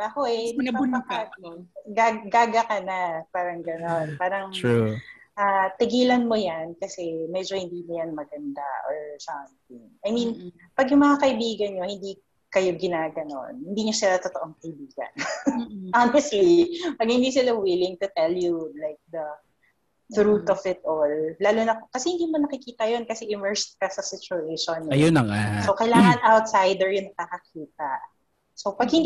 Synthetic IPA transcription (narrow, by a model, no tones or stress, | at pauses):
bakoʔɛnɐkaɡaɡɡaːɡɐkɐnapaːɾɐŋɡɐnonpaːɾɐŋ | ʔaːt̪ɪɡiːlɐnmojankɐsɛmɛd͡ʒo̞hɪnd̪iːmojanmɐɡɐnd̪a̰ʔoɹsɐmt̪̚ɪ̰ŋʔɐjmin | pɐɡjʊŋmɐŋakɐʔɪbiːɡɐnɲo̞hɪnd̪i | kɐjoɡɪnaːɡɐno̞̰nhɪnd̪iːɲosɪlat̪ot̪oʔoŋkɐʔɪbiːɡɐ̰nʔanɛst̪lipɐɡ̚hɪnd̪isɪlawɪlɪŋt̪ʊt̪ɛljulajk̚d̪ɐ | θɾut̪ɔfɪt̪̚ʔolːaːlunɐkokɐsɛhɪnd̪iːmonɐkɪkiːt̪ɐjonkɐsɛʔɪmɛɹst̪̚kɐsɐsɪt͡ʃʊeʃnɐjonɐŋa̰sokɐjlaːŋɐnʔawt̪̚sajd̪ɛɹjʊŋnɐkakɐkʰiːt̪ɐʔ | sowpɐɡ̚hɪn